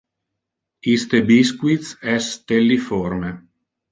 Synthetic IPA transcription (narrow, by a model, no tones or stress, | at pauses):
ist̪ebiskwit̪sɛst̪elːiforme